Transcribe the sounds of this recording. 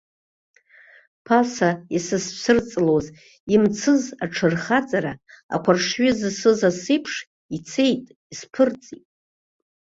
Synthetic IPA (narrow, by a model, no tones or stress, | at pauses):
pʰasaisɨssɨrt͡sʼloz | imt͡sʰɨzaʈ͡ʂʰɨrχat͡sʼaɾaa̰kʷʰarʂɥʏzsɨzasɨpʰʂ | it͡sʰe̞jtʼ | ispʰɨrt͡sʼitʼ